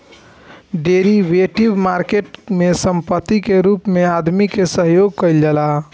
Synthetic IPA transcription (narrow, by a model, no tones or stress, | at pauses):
ɖeɾiʋeʈibmaɾkeʈmesəmpət̪ːikeɾupmead̪mikesəɦjoɡ̚kəɪld͡ʒəla